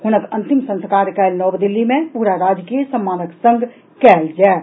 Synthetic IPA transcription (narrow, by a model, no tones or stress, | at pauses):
hʊnəkɐ̃nt̪ɪmsə̃nskaːɾkaɪlnɔːbd̪ɪlːimẽpuːɾaɾaːd͡ʒkeesəmːaːnəksə̃ŋɡʱ | kɛːld͡ʒaː